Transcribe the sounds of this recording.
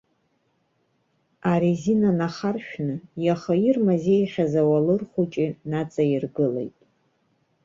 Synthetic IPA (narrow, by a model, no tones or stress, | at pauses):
aɾizinanaχarʃᶣnɨjaχairmazejχʲazawalɨrχʷut͡ʃʼinat͡sʼairɡɨlḛjtʼ